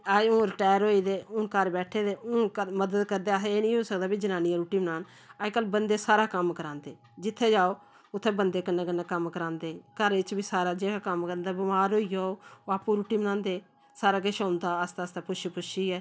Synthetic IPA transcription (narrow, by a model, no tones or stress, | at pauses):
aõːɾɪʈaːjəɾɦoːiːd̪eːʊnkəɾbɛːʈʰeːd̪eːʊkəməd̪əd̪kəɾd̪eːaseeːnĩːɦoːsəkd̪aːbiːd͡ʒənaːniãːɾuːʈiːmənaːn | aekəlbənd̪eːsaːɾaːkəmkəɾãːnd̪eː | d͡ʒɪt̪ʰːeːd͡ʒaːoː | ʊt̪ʰːẽːbənd̪eːkənːeːkənːaːkəmkəɾãːnd̪eːkəɾɪt͡ʃbiːsaːɾaːd͡ʒeːkaːkəmkəɾənd̪aːbɪmaːɾɦoːiːaːoːaːpũːɾuːʈiːmənãːnd̪eː | saːɾaːk̬ʃõːnd̪aːəst̪aːst̪aːpʊʃipʊʃiːɛː